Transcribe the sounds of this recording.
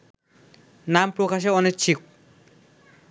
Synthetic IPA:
nampɾokaʃ̬eɔnek̚t͡ɕʰik

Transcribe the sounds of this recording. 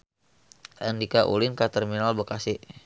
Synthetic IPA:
ʔandikaʔṵlɪnkat̪ərminalbəkasɪʔ

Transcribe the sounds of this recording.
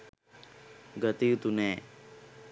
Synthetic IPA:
ɡət̪iut̪uneː

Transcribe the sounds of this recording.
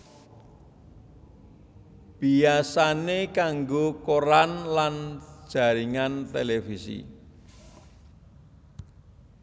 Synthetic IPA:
b̥iasanekaŋɡokoɾanland̥ʒ̥a̤ɾiŋant̪elefisḭ

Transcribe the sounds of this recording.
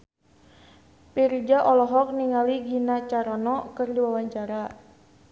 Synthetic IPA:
pird͡ʒaʔɔlɔɦɔk̚niŋaliɡinat͡ʃaɾanɔkərdiwawaɲt͡ʃaɾa

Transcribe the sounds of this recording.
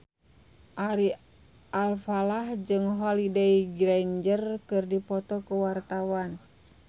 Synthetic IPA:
ʔaɾi | ʔalfalahd͡ʒɨŋɦɔlideiɡɾaɲd͡ʒərkɨrdipɔt̪ɔkuwart̪awan

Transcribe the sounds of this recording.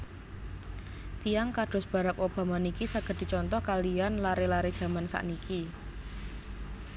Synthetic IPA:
t̪ijaŋkaɖ̥ʊ̤sb̥a̤ɾakob̥a̤manikisaɡ̥ə̤d̪̥i̤t͡ʃɔnt̪ɔhkalianlaɾelaɾed̥ʒ̥ä̤mansa̰ʔniki

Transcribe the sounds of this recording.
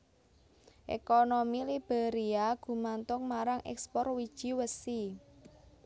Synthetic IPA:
ʔḛkonomilib̥eɾiaɡ̥ṳmant̪ʊŋmaɾaŋʔɛ̰kspɔrwid̥ʒ̥i̤wəsi

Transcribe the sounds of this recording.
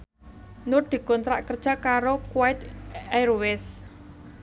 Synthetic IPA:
nʊrd̪̥i̤kɔnt̪ɾa̰ʔkərd̥ʒ̥a̤kaɾokwaɪt̪ajɾwɪs

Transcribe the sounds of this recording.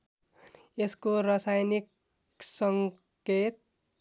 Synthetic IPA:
eskorʌsajnik | sʌŋ | ket̪̚

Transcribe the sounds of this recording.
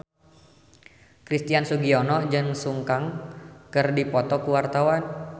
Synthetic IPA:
kɾist̪iansuɡiɔnɔd͡ʒɨŋsuŋkaŋkɨrdipɔt̪ɔkuwart̪awan

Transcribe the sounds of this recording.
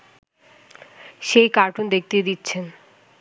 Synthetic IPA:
ʃejkaɾʈund̪ek̚t̪ed̪itːɕʰen

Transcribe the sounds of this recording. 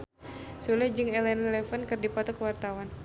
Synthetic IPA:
sulahd͡ʒɨŋɛlɛnlɛfənkɨrdipat̪ukəwart̪awan

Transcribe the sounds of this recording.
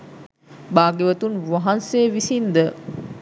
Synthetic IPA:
baːɡeʋət̪unʋaɦansejʋisind̪ə

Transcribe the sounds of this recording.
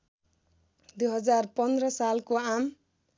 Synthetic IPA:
d̪ujɦʌd͡zarpʌnd̪rʌsalkoam

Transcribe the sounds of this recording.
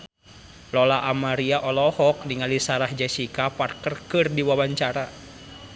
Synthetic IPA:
lɔlaʔamaɾiaʔɔlɔhɔk̚niŋalisaɾahd͡ʒɛsikapar̚kərkɨrdiwawaɲt͡ʃaɾa

